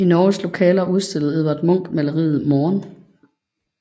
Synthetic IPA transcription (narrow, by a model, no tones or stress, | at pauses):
inɒːslo̝kʰɛ̰ːlɐuð̞ˠsd̥e̝l̰ð̩ˠeðˠʋɐd̥mɔ̽ŋ̰ɡ̥mælɐʁḭːð̩ˠmɒːn